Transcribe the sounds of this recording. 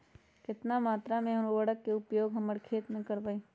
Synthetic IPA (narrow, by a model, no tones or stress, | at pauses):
kɪt̪namaːt̪ɾamẽɐɾuwəɽəkːeʊpjoːɡɦɐməɽkʰeːt̪mẽkəɾbaiː